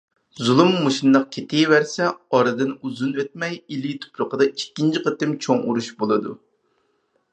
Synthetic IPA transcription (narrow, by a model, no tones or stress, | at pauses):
zulˠumːoʃinːəq̚kʲʰet̪ʰɪvæɾsɛɑɾɨd̪ɨnuzunøt̪̚mɛjilit̪ʰʊ̥pɾʊqʰəd̪ɑikʲːint͡ʃʰiqət̪ɪmt͡ʃʰoŋuɾuʃbolˠɨd̪u